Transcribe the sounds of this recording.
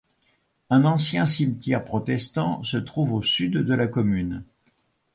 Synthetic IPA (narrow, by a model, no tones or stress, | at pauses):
ɛ̃nɑ̃sjɛ̃simt̪jɛʁpχɔt̪ɛst̪ɑ̃sət̪χuvosyd̪ːəlakɔmyn